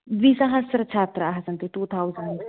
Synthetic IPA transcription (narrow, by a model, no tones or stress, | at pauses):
ʋisɐɦasɾɐt͡ʃʰaːt̪ɾəaɦɐsɐnt̪iʈuːt̪ʰawzəɳɖ